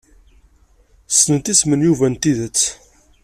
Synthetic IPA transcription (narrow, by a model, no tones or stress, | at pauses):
snət̪ismənjuvænt̪iðət͡sː